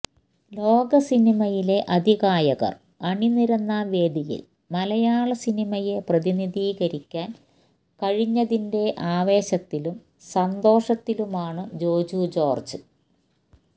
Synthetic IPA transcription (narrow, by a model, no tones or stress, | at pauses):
lo̞ːɡɐsinimɐjile̞ʔɐd̪ʱiɣaːjɐɣɐ̰r | ɐɳiniɾɐnːaʋe̞ːd̪ijḭl | mɐlɐjaːɭɐsinimɐje̞prɐðiniðiːɣɐɾikʲːaːn | kɐɻiɲːɐðinde̞ʔaːʋe̞ːɕɐt̪ːilum | sɐnd̪o̞ːʂɐt̪ːilumaːɳɨd͡ʑo̞ːd͡ʑuːd͡ʑo̞ːrd͡ʑɨ